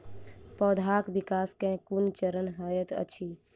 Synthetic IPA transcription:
pɔːd̪ʱaːkbikaːskẽkunt͡ʃəɾənɦəjət̪ə̰t͡ʃʰi

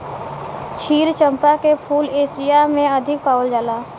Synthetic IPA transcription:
t͡ʃʰiːɾt͡ʃə̃mpakepʰuːleːsɪjamẽəd̪ʱɪk̚paːwəld͡ʒaːlaː

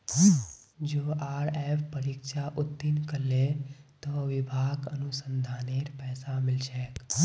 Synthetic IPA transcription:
d͡ʒoːʔaːɾɛːpʰpəɾɪkʃaʔʊt̪ːɪnkəlet̪oʋɪbʱaːɡə̰nʊsə̃nd̪ʱaːneːɾpɛːsamɪlt͡ʃɛːk

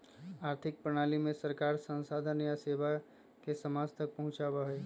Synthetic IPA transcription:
aːɾt̪ʰɪk̚pɾəɽ̃aːlimẽsəɾkaːɾsə̃nsaːd̪ʱənjaseːʋa | kesɐmaːd͡ʒt̪ɐk̚pɐɦʊ̃t͡ʃabaɦeː

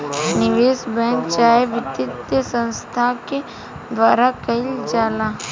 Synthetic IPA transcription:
nɪʋeːsbɛ̃ŋkt͡ʃaːjeʋɪt̪ɪt̪jəsə̃nst̪ʰake | d̪ʋaːɾakɐild͡ʒaːla

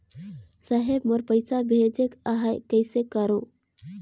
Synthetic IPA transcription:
səɦebməɾpəɪsabʱed͡ʒekaɦajkəɪsekəɾõ

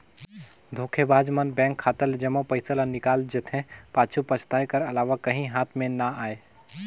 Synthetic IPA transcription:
d̪ʱoːkʰebaːd͡ʒmənbɛ̃ːŋkʰːaːt̪əld͡ʒəmõpəɪsələnɪkaːld͡ʒet̪ʰɦẽpaːt͡ʃʰupət͡ʃʰt̪aːekəɾɐlaːʋakɐɦĩɦaːt̪ʰmẽnaaːe

